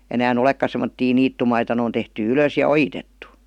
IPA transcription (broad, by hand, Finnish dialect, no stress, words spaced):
enæːn olekːɑ semˑotːiː niːtːumɑitɑ nĕ on tehty yløs jɑ ojitetːu